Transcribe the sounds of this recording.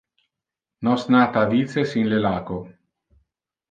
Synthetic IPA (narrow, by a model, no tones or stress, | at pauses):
nɔsnaːt̪aːvit̪sesinlelaːko